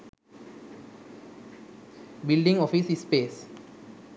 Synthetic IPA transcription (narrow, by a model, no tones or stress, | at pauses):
bilɖĩŋɔfisispeːs